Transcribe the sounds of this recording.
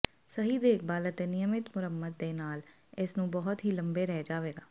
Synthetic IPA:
səɦid̪eːk̚ʰbaːlət̪enɪjəmɪt̪mʊɾəmːəd̪ːeːnaːl | ɪsnũːbɔɦʊt̪ɦiːlə̃mbeɾɛɦd͡ʒaːʋeːɡaː

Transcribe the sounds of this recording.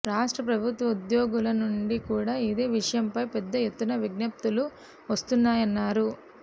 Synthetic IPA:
ɾaːʂʈɾɐpɾɐbʱut̪ʋɐud̪jɔːɡulɐnuɳɖikuːɽaːid̪e̞ːʋiʂɐjɐmpɐjpɛd̪ːɐjet̪ːunɐʋiɡnɐp̚t̪ulu | ʋɐst̪unːaːjɐnːaːɾu

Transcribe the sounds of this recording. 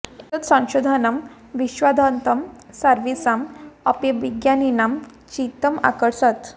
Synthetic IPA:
it̪ət̪sãw̃ɕod̪ʱanam | ʋiɕʋad̪ʱant̪əm | səɾʋisamɔpjəʋiɡjaninam | t͡ɕit̪əma̰kəɽsat̪

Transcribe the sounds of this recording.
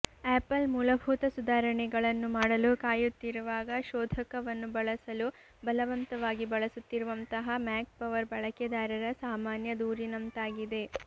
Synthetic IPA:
eːpɐlmuːlɐbʱuːt̪ɐsud̪ʱaːɾɐɳɛɡɐɭɐnːumaːɽɐlukaːjut̪ːiɾuʋaːɡɐʃɔːd̪ʱɐkɐʋɐnːubɐɭɐsɐlu | bɐlɐʋɐnt̪ɐʋaːɡibɐɭɐsut̪ːiɾuʋɐnt̪ɐɦɐmaːk̚pɐʋɐɾbɐɭɐkɐd̪aːɾɐɾɐsaːmaːnjɐd̪uːɾinɐmt̪aːɡid̪e̞

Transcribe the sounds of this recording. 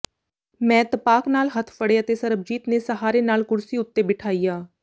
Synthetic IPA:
mɛ̃ːt̪əpaːknaːlɦət̪ʰfəɽeət̪eːsəɾəb̚d͡ʒiːt̪neːsəɦaːɾeːnaːlkʊɾsiːʊt̪ːeːbɪʈʰaːiːjaː

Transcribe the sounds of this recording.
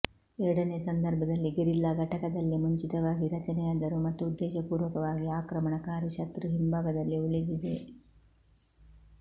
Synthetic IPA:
ɛɾɐɽɐnesɐnd̪ɐɾbʱɐd̪ɐlːiɡeɾilːɐɡʱɐʈɐkɐd̪ɐlːimuɲt͡ʃit̪ɐʋaːɡiɾɐt͡ʃɐnɛjaːd̪ɐɾumɐt̪ːuːd̪ːɛːʃɐpuːɾʋɐkɐʋaːɡiaːkɾɐmɐɳɐkaːɾɐʃɐt̪ɾuɦimbʱaːɡɐd̪ɐlːiuɭid̪id̪e

